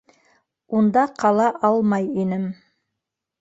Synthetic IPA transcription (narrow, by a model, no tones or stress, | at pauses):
und̪ɑqʰɑlˠɑʔɑlˠmɑjinɘm